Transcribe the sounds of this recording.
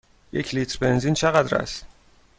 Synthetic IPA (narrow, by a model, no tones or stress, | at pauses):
jecʰlit̪ɾbe̞nzint͡ʃʰeɣæd̪ɾæ̰st̪